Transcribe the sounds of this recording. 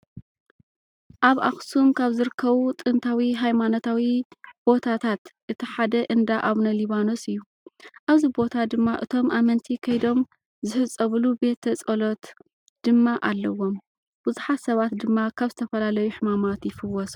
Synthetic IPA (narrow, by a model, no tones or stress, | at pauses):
ʔaβa̰xsumkʰaβzɨɾɨkʰːɐβut̪ʼɨnt̪ʰawiɦajmano̞t̪ʰawib̥o̞t̪ʰat̪ʰat̪ʔɨt̪ʰiħad̪ɐʔɨnd̪aʔaβnɐliβano̞sɨjːu | ʔaβzibo̞t̪ʰad̪ɨmːaʔɨt̪ʰo̞mʔamɐnt̪ʰikʰɐjd̪o̞m | zɨħɨt͡sʼːɐβlube̞t̪ʰːɐt͡sʼɐlo̞t̪ | d̪̥ɨmːaʔalːɐwːo̞m | b̥ɨzuħat̪sɐβat̪d̪ɨmːakʰaβzɨt̪ʰɐfɐlalɐjuħɨmamat̪jɪfɨwːɔs